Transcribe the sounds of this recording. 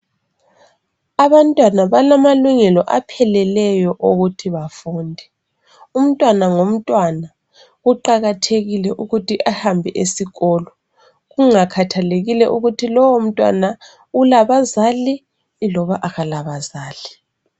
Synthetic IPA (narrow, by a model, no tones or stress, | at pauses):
aβantʼwanaβalamaluŋɛlɔʔa̰pʰɛlɛlɛjɔʔoɣutʰiβafuːndʱɛ | um̩tʼwanaŋom̩tʼwana | ɣuǃaɣatʰeɣilɛʔuɣutiʔahambʱɛʔesiɣɔːlɔ | ɣuŋakʰatʰaleɣilɛʔuɣutʰilɔwom̩tʼwa̰na | ulaβazali | lɔβaʔaɣalaβazaːli